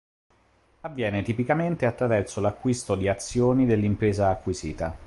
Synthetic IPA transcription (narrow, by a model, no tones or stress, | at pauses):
avːjɛːnet̪ipikament̪eat̪ːɾavɛrsolakːwist̪od̪iat̪sːjoːnid̪elːimpɾeːzaːkːwizḭːt̪a